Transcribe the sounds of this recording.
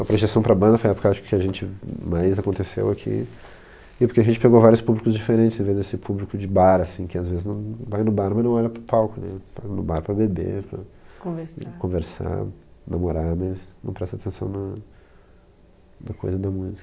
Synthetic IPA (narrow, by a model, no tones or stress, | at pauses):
ɐpɾoʒesɐ̃w̃pɾɐbɐ̃nd̪ɐfojɐɛpʊkɪaʃʊ̥kʊ̥kɪaʒẽnt͡ʃɪmajzakõnt̪esḛwakʰḭ | ɪpoɾkeaʒẽt͡ʃɪ̥peɡovaɾjʊspublikʊzd͡ʒifeɾẽnt͡ʃɪzẽvezd̪esɪpʰublikʊd͡ʒɪbaɾɐsĩkɪazvezɪznɐ̃w̃vajnʊbaɾmɐznɐ̃w̃ɔʎɐpɾʊpawkʊnɛpɐnʊbaɾpɾɐbebḛpɾɐ̰kõveskõveɾsa̰nʔɐmoɾamɐznɐ̃w̃pɾɛst̪at̪ẽsɐ̰̃w̃nɐ | nɐko̰jzɐd̪ɐmuzikɐ